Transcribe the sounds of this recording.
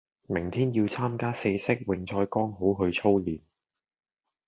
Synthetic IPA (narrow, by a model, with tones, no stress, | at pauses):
mɪ˨˩ŋt̪ʰiː˥njiː˧wt͡sʰaː˥mkaː˥se˧jsɪ˥k̚wɪ˨ŋt͡sʰɔː˧jkɔː˥ŋɦo˨˥wɦɵ˧ɥt͡sʰo˥wliː˨n